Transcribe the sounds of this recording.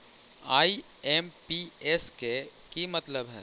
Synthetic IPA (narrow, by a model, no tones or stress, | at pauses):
aːi | ɛːmpiɛskekimɐt̪ləbɦɛ̰ː